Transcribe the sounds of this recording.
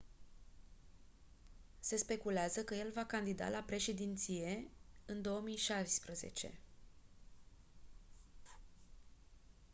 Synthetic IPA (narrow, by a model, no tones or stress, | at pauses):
se̞spe̞kuleazəkəje̞lvakand̪id̪a̰lapɾe̞ʃe̞d̪int̪sije̞ɨnd̪o̞omijʃaspɾəze̞̰t͡ʃe̞̰